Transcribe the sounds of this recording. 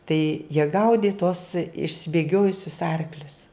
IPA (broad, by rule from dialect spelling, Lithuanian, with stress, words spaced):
tɐɪ jiɛ ˈɡɐʊdʲɪ tuɔs ɪʃʲsʲɪbʲeːˈɡʲoːjʊsʲʊs ˈɐrklʲʊs